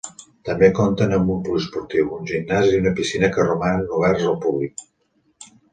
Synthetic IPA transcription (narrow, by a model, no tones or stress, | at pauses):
t̪əmbekont̪ənəmbumpulispuɾt̪iwunʲʒinːaziunəpisinəkərumanːuβɛrzəlˠpuβlik̚